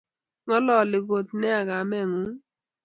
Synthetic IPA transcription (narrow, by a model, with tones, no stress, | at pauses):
ŋɔ˦lɔ˨lɪ˨ɡo˨t̪̚nɛ˦a˨ɡa˨mɛ˦˨ŋu˨˦